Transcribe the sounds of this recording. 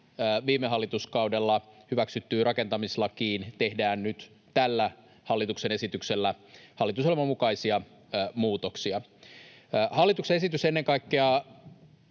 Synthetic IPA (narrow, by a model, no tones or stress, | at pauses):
ʋiːmːeɦɑlːit̪uskɑudelːɑhyʋæksyt̪ːyːrɑke̞nt̪ɑmislɑkiːnt̪e̞hdæːnnyt̪ | t̪ælːæ | hɑlːit̪ukse̞ne̞sit̪ykse̞lːæhɑlːˑit̪usolmɑmukɑisiɑ | muːt̪o̞ksiɑ | hɑlːˑit̪ukseesit̪ysenːe̞ŋkɑikːeɑ